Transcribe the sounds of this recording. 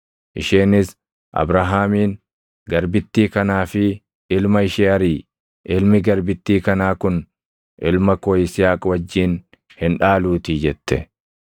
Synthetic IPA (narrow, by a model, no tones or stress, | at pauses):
ʔɪ̰ʃeːnɪs | ʔɐ̰bɾaɦaːmiːn | ɡɐɾbɪt̪ːiːkɐnaːfɪ | ɪlmɐɪʃeːɐɾiː | ʔɪlmɪɡɐɾbɪt̪ːiːkɐnaːkʊn | ʔɪlmɐkoːɪsɪjaːkʼwɐd͡ʒːiːn | hɪnᶑaːluːt̪iːd͡ʒɛt̪ːɛ